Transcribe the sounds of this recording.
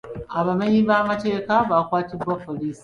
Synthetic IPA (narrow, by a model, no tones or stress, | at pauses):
ʔabɐmɐjibaːmɐt͡ʃekabaːkʷaːtibɐfɐliːs